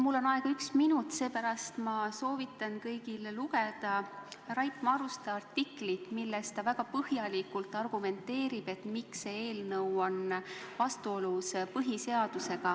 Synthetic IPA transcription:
mulːo̞nɑeɡ̥ɑyksminut̪ːˑse̞ːpæɾɑst̪mɑso̞ːvit̪ːˑɑnkɤjɡ̥illuɡe̞d̪̥ɑrɑjpmɑɾust̪eɑrt̪iklit̪milːest̪ɑvæɡ̥ɑpɤhjɑlikult̪ːˑɑrɡ̥ume̞nt̪ːe̞ːɾib̥e̞t̪miksee̞ːlnɤwonvɑst̪uo̞luspɤɦise̞ɑd̪̥use̞ɡ̥ɑ

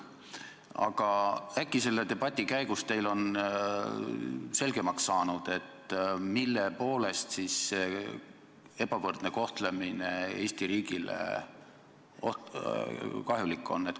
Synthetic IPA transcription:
ɑ̰ɡ̥ɑækːˑise̞lːe̞t̪e̞b̥ɑt̪ʲːˑikæjɡ̥ust̪e̞jlo̞n | se̞lɡ̥e̞mɑksːɑːnud̪̥e̞t̪ːˑmilːe̞po̞ːle̞st̪sisse | e̞b̥ɑvɤrd̪̥ne̞ko̞ht̪lemine̞e̞ːsʲt̪iɾiːɡ̥ilḛ | oh | kɑɦjulikːˑo̞̰nːet̪

